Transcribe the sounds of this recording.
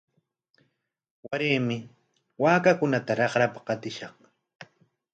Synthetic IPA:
waɾeːmɪ | waːkakʊnat̪aɾɑχɾapḁqɑt̪ɪʃɑχ

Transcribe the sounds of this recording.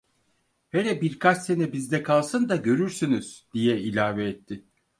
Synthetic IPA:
heɾɛbiɾkʰat͡ʃse̞nɛbizd̪ɛkʰalˠsɯnd̪aɟø̞ɾyɾsynyz̥d̪̥ijɛilʲaːvɛːt̪ʰːɪ

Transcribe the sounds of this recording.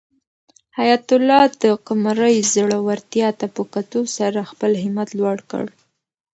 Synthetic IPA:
hajat̪ʊlɑd̪əqʊmaɾəjzəɽawaɾt̪ijɑt̪apəkat̪usaɾaxpəlhɪmat̪lwaɽkə̰ɽ

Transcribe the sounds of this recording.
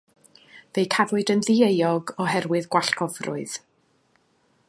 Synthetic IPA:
vejkʰaðʊdənðiejɔɡɔɦɛrwɨðɡwaɬkʰɔvrʊ̰ɨð̥

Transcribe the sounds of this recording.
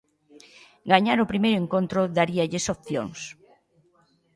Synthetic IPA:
ɡaɲaɾʊpɾimejɾʊeŋkõnt̪ɾʊðaɾiaʎɪsopθjo̰ŋs

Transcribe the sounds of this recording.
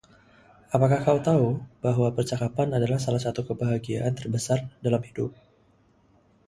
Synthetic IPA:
ʔapakahkaut̪aub̥aɦwapərt͡ʃakapanadalahsalahsat̪ukəbaɦaɡia̰ʔant̪ərbəsardalamhidʊp̚

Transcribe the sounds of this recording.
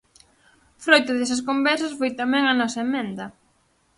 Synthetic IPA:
fɾojt̪ʊðɛsɐs̬kombɛɾsɐsfojt̪amɛŋɐnɔsɐemɛ̃nd̪ɐ

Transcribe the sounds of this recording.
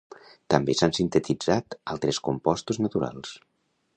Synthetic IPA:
t̪əmbesansint̪ət̪id͡zat̪alˠt̪ɾeskumpɔst̪uznət̪uɾa̰lˠs

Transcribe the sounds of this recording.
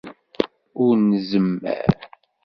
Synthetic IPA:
ʊɾnəzəmːæ̰ɾ

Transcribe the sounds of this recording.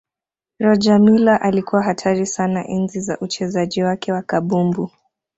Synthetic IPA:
ɾɔd͡ʒamilaʔalikuwaɦatʰaɾisanaʔɛnziza̰ʔut͡ʃɛzaʄiwakɛwakaɓumbu

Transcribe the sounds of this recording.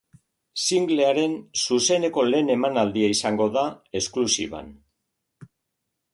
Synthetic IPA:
siŋɡle̞aɾe̞nsuse̞ne̞ko̞le̞ːne̞manald̪iaisaŋɡo̞ðae̞sklusḭβa̰n

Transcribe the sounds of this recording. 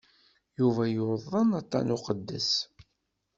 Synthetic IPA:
juvæjoðˤːənɑt̪ˤːɑ̰nʊqəd̪ːəs

